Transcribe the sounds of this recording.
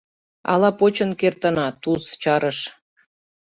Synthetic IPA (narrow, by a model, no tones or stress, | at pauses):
ɑ̰lɑpot͡ɕə̆nkert̪ənɑt̪ust͡ɕɑɾəʃ